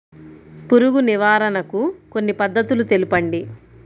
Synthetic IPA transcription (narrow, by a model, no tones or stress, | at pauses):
puɾuɡuniʋaːɾɐnɐkuko̞nːipɐd̪ːɐt̪ulut̪e̞lipɐɳɖi